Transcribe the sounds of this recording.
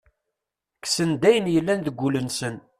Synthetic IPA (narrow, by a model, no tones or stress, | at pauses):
ksənd̪æjənjəlːænðəɡʷːulənsən